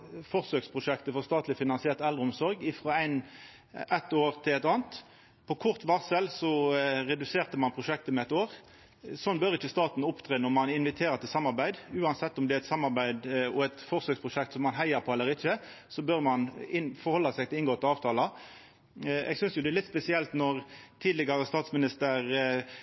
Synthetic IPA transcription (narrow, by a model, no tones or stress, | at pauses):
fɔʁsøːkspʰʁʊʂɛkt̪əfɔʁst̪ɑːt̪lɪfɪnɑnsɪɛːʁt̪ɛld̪ɾəʊmsɔɾɡɪfɾɑæɪn | ʔɛt̪ːoːʁt̪ʰɪlæɪt̪ɑːnt̪ | pʰɔkʰʊʁt̪ʋɑʁsəlsɔʁɛd̪ʉseːʁt̪əmɑnpʰʁʊʂɛk̚t̪əmɛɛt̪oːʁ | sɔnbœʁɪçːəst̪ɑːt̪n̩ʊpt̪ʰʁeːnɔʁmɑnɪnʋɪt̪ʰeːʁət̪ʰɪlsɑmːɑʁbæɪd̪ʉːɑnsɛt̪ːɔmd̪ɛæɾɪt̪sɑmːɑɾbæɪd̪ɔɛt̪fɔʁsøːkspʰʁʊʃɛkt̪sɔmːɑnɦæɪɑɾpʰoɛlːəɾɪçːə | sɔbœʁmɑnɪnfɔɾʁhɔlːɑsɛɪɡ̚t̪ɪlɪŋɡoːt̪ɛlɑːʋt̪ʰɑːlɑ | ɛ̰ɡsʏnsjʊd̪ɛːlɪt̪spɛsɪɛlt̪nɔʁt̪ʰiːd̪lɪɡɑɾəst̪ɑːt̪smɪnɪst̪əɾ